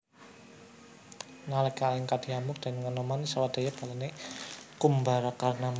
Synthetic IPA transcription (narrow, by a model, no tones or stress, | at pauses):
nalakalɪŋkad̥i̤amʊk̚d̪̥a̤nŋənɔmanisawad̪̥a̤jab̥a̤lanekumbaɾakarnam